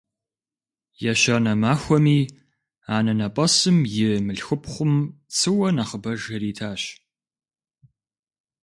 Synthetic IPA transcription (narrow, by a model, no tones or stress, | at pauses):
jaɕɐnɐmaːxʷɔmiː | aːnɐnɐpʼɐsɨmjɪmɨɬxɨpʰχʷʊmt͡sʰɨwɐnaχəbɐʒɐɾiːtʰaːɕ